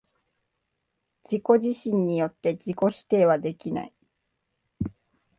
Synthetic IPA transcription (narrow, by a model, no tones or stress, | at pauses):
d͡ʑiko̞ʑiɕĩɲ̟ːijo̞t̪ːe̞d͡ʑiko̞ɕi̥t̪e̞ːβad̪e̞kʲina̰i